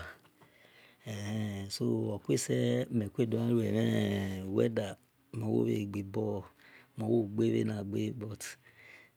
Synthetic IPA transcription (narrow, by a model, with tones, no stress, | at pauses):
ɛ˨hɛ˦so˦wa˨kʷe˦˨sɛ˦˨mɛ˨kʷe˦˨do˨˦ã˦ɾu˦ɛ˨mɛ˦˨wɛ̰˦da˨ | mɔ˨˦wo̰˦e˦˨ɡ͡bi˨bɔ˦mɔ˨˦wo˦˨ɡ͡be˦βḛ˦na˨ɡ͡be˦bɔ˧˨t